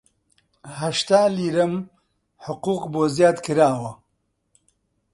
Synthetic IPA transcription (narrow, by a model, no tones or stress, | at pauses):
hɐʃt̪aːliːɾɐm | ħʊquːqboːzjaːd̪kɨɾaːwɐ